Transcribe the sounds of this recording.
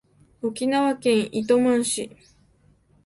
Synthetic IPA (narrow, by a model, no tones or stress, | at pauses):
okʲinaβakẽ̞ɰ̃ʔit̪o̞mãɰ̃ɕi